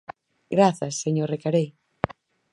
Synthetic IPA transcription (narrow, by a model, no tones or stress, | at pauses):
ɡɾaθɐsːeɲoɾrekaɾej